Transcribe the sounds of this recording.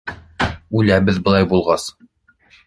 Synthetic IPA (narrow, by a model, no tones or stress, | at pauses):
ʉlæbɘðbɤ̆lˠɑjbulˠʁɑs